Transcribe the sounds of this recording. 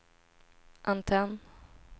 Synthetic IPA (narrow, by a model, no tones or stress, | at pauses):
ʔant̪ʰɛn